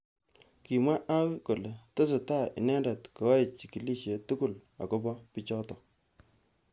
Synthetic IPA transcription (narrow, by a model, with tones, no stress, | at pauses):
ki˨mwa˦ʔa˦ko˨le˨to˦s̬e˨ta˦˨ḭ˨nɛ˦nda˨tko˨wa˦˨t͡ʃi˨ki˨li˦ʃje˨tu˦ku˦˨la̰˨ko˦bɔ˦pi˦t͡ʃɔ˦tɔ˨